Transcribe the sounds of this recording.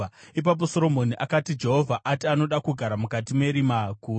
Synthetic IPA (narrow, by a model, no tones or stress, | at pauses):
ip̬ap̬o̞so̞ɾo̞mo̞niʔakatid͡ʒe̞ɦo̞vʱaʔatiano̞ɗakuɡʱaɾamukatime̞ɾimakuː